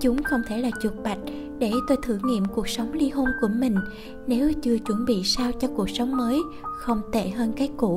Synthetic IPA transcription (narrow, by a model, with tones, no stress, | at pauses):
t͡ɕʊ˨˦ŋ͡mxə˧wŋ͡mt̪ʰe˧˩laː˨˩t͡ɕu˨˩t̚ɓa˨˩jk̟̚ | ɗe˧˩t̪o˧jt̪ʰɨ˧˩ŋḭ˧˨əmku˨˩ək̚sə˨˦wŋ͡mli˧ɦo˧nku˧˩əmï˨˩ŋ̟ | ne˨˦wt͡ɕɨ˧ət͡ɕwə˧˩nɓḭ˧˨saː˧wt͡ɕɔ˧ku˨˩ək̚sə˨˦wŋ͡mməː˨˦j | xə˧wŋ͡mt̪e˧˩ɦəː˧nkaː˨˦jkṵ˧˩˨